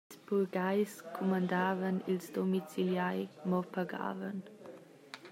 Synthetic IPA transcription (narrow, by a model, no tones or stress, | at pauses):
sbulɡajskʰumandaːvənilsdomit͡siljajmɔpaɡa̰ːvən